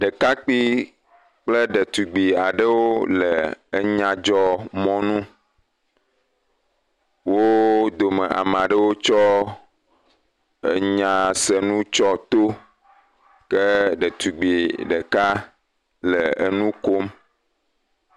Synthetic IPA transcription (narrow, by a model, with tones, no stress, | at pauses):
ɖə˨ka˦k͡pi˦ | k͡plə˦ɖə˨t̪u˨ɡ͡bi˨a˨ɖə˦wo˦ləː˨˦ɲã˨d͡ʒɔ˦mɔ̃˦nũ˦ | wo˦d̪o˨mɛ˨ʔa̰˨m˨a˨ɖə˦wo˦t͡ʃɔ˦ | e˨ɲã˨sɛ˨nũ˦t͡ʃɔ˦t̪o˦ | kə˦ɖɛ˨t̪u˨ɡ͡bi˨ɖə˨ka˦ | lə˨e˨nũ˦ko˦m